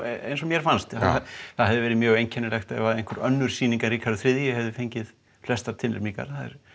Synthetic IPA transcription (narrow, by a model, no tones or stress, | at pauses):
ḛjnsɔmjɛɾ̥fanst̪aaθaðɦɛvðɪvɛːɾɪmjœːɣejɲcʰɛnːʏlɛxt̪aɛ̰vaðej̪̥kʰʏɾœnːʏɾ̥siːniŋkaɾikʰaɾʏθɾɪðjɪhɛvðɪfejɲcɪð | flɛst̪at̪ʰɪllɪ̰pniŋka̰ɾ̥θaðɛ̰ɾ̥